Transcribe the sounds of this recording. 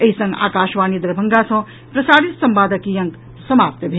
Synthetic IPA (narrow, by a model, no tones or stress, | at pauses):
ɐɦisɐ̃ŋɡa̰ːkaːʃʋaːnid̪ɾɐbʱɐŋɡasɐ̃ | pɾɐsaːɾit̪sɐmbaːd̪əkijɐŋk | sɐmaːp̚t̪bʱe